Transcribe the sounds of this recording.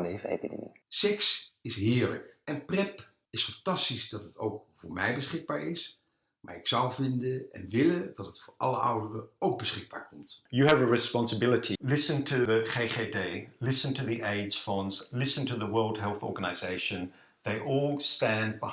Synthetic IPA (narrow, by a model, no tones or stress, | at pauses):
evḛɪbənɪ̰ŋ̰sɛksɪsɦɪːɹlə̰kʔɛnprɛp | ɪsfɑntɑstisdɑtətʰowkfʊːɹmɛjbəsχɪɡ̚baːɹɪs | maːɹɪksʌwvɪndəɛ̰nʋɪlədɑtətfʊːɹɑ̰lˠəʔʌ̰wdərəowk̚bəsχɪɡ̚ba̰ːɹkʰɔmtjəːvəɹɪspɑ̃nsəbɪlˠətʰilɪsə̃ntʰəðəχeɪχedeɪlɪsə̃ntʰəðiʔeɪdz̥fɑ̃nzlɪsə̃ntʰəðəwɜːlˠd̥̚ɦɛlˠθɔ̰ɹɡənaɪzeɪʃə̃n | ðeɪʔɔlˠstæ̃nbə